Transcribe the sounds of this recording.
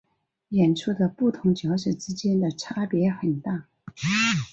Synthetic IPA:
jɛ˨˩nʈ͡ʂʰu˥˩d̪ə˨pu˥˩t̪ʰʊ˧˥ŋt͡ɕjɑ˧˥ʊʂɛ˨˩ʈ͡ʂɻ̩˥t͡ɕjɛ˥nd̪ə˨ʈ͡ʂʰa˥pjɛ˧˥xə˨˩nt̪a˥˩

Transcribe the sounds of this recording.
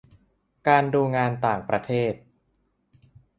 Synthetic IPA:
kaː˧nduː˧ŋaː˧nt̪aː˨˩ŋpɾa˧t̪ʰeː˥˩t̪̚

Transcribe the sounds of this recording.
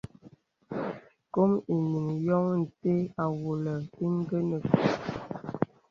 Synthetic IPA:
ko˦mi˨ni˨ŋjɔ˦ŋn̩˨te˦a˨wo˨lə˨i˦ŋ˦ɡə˦nə˨k

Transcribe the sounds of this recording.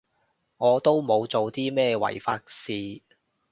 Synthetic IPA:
ŋɔː˨˧t̪o˥wmo˨˧wt͡so˨wt̪iː˥mɛː˥wɐ̰˨˩jfaː˧k̚siː˧

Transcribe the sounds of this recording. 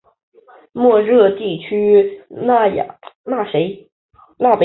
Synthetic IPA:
mwɔ˥˧ɻɤ˥˧t̪i˥˩t͡ɕʰy˥n˥˩j̰na˥˩ʂe˧˥ɪ | na˥˩pe˧

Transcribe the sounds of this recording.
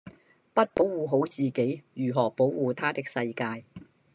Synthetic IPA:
pɐ˥t̚po˨˥wwuː˨ɦo˨˥wt͡siː˨ke˨˥jjyː˨˩ɦɔː˨˩po˨˥wwuː˨˧t̪ʰaː˥t̪ɪ˥k̚sɐ˧jkaː˧j

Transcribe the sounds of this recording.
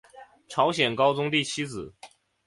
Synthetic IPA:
ʈ͡ʂʰɑ˧˥ʊɕjɛ˨˩nkɑ˥ʊt͡sʊ˥ŋt̪i˥˩t͡ɕʰi˥t͡sɹ̩˨˩˦

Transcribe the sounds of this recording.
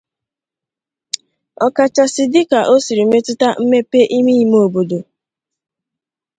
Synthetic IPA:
ɔ˨ka˨t͡ʃa˨sɪ˨dɪ˦ka˨ʔo˦si˨ɾi˨˦me˦tʊ˦ta˦m̩˦me˦pe˦ʔi˦mi˦˨mo˨bo˨do˨

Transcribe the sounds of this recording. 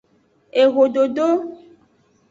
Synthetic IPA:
e˨ɣo˨ɖo˨ɖo˦

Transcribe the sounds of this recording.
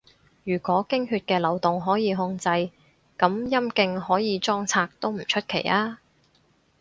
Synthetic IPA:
jyː˨˩kʷɔː˨˥kɪ˥ŋhyː˧t̚kɛː˧lɐ˨˩wt̪ʊ˨˩ŋɦɔː˨˥jiː˨˧ɦʊ˧ŋt͡sɐ˧j | kɐ˨˥mjɐ˥mkɪ˧ŋhɔː˨˥jiː˨˧t͡sɔː˥ŋt͡sʰaː˧k̚t̪o˥wm̩˨˩t͡ʃʰɵ˥t̚kʰe˨˩jʔaː˥

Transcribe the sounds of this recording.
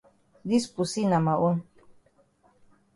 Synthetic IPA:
d̪i˦spusina˨ma˨ʔu˦n

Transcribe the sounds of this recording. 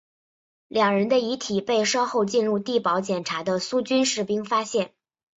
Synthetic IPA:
ljɑ˨˩ŋɻə˧˥nd̪ə˧i˧˥t̪ʰi˨˩pe˥˩ɪʂɑ˥ʊxo˥˧ʊt͡ɕi˥˧nɻu˥˧t̪i˥˩pɑ˧˥ʊt͡ɕjɛ˨˩nʈ͡ʂʰa˧˥d̪ə˧su˥t͡ɕy˥nʂɻ̩˥˩pi˥ŋfa˥ɕjɛ˥˩n

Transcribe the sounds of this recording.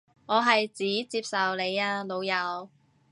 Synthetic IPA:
ŋɔː˨˧ɦɐ˨jt͡siː˨˥t͡siː˧p̚sɐ˨wle˨˧jaː˧lo˨˧wjɐ˨˧w

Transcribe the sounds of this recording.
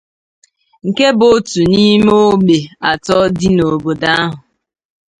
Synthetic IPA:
ŋ̩˨ke˦bo˦tu˨ni˦m˦o˦ɡ͡be˨a˨tɔ˦dɪ˦no˨bo˨da˦a˦ɦʊ˨

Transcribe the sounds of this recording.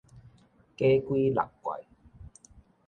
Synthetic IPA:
ke˥kʷwiː˦lɐ̰˨˩kkwɐ̰˨˩j

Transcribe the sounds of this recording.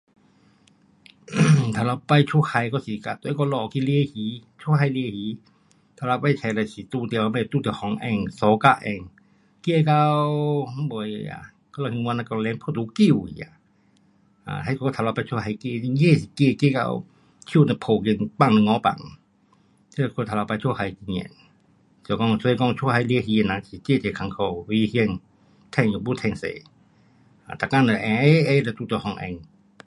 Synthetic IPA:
t̪ʰa˨˧˩la˧pa˧jt͡ʃʰu˧˨ha˧˨jkɔ˧˨si˨ka˧˨t̪o˧˨˦kɔ˧˨lɔ˧˨ki˧li˧˨hiː˨˦t͡ʃʰu˧ha˧jli˧˨hi˨˦ | t̪ʰa˨˧la˧pa˧jt͡ɕʰa˧la˧˩si˨t̪uː˧˨t̪i˧˨wa˧ma˧˨˧t̪u˧˨t̪i˨hɔ˨˦ŋʔɛ˧˩ŋsɔː˨˦ka˧ʔɛ˧˩ŋ | ki˧˨ka˧wwbo˧˨ja̰˧˨ | kɔ˧˨la˧hi˧ŋwa˧na˧ka˧˨˧lɛ˧˦ŋpʰɔ˧˨t̪u˧˦ki˧˩˨wḭ˧˨ja̰˧˨ | a̰˧˨a˧jkʰo˧t̪ʰa˧la˧pa˧t͡ʃʰu˧ɦa˧jke˧˨i˧je˧˨si˧˨ke˧˨ke˧˨ka̰˧w | t͡ʃʰi˧˨na˧pʰo˧˨ke˧˨npa˧˨ŋnɨ˧ŋɔ˧˦pa̰˧˨ŋ | t̪ʰi˧la˧kʰo˧˨t̪ʰa˨˧la˧pa˧t͡ʃʰu˧ha˧jki˧ɲɛ̰˧˨n | su˧˨kɔ˧ŋso˧kɔ˧˨ŋt͡ʃʰu˧ɦa˧jli˧˦˨si˧e˧˨na˧˨i˧˨ke˧˨te˧˨kʰa˧ŋkʰa˧wwi˧hi˧ə˧˨ŋ | t̪ʰɛ˧˩ŋ˨u˧˨bu˧˨t̪ʰɛ˧˨ŋsḛ˧˨ | a˧˨t̪a˨˧˨ka˧˥˨nə˧˨ʔɛ˧˦ʔe˧˦˧lɛ˧˨t̪u˧˨t̪ɔ˧hɔ˧ŋʔɛ̰˧˨ŋ

